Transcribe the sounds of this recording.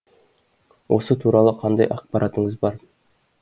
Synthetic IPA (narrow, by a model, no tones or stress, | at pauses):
wʔo̞sət̪ʰuɾɑlˠəqʰɑnd̪ɑjʔɑqpɑɾʔat̪əɴəzbɑɾ